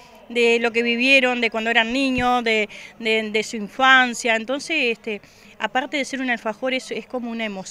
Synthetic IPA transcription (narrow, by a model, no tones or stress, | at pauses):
d̪elo̞k̬e̞βiβjeɾo̞nd̪ekwand̪oeɾanːĩɲosðed̪ed̪esuiɱfansjaent̪o̞nsesest̪e | apaɾt̪e̞ðese̞ɾunalfaxo̞ɾesesko̞mo̞unaemos